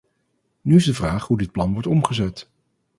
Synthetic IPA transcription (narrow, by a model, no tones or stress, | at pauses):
nyɪzdəvraːχɦudɪt̚plɑnʋɔɹtɔmχəzɛt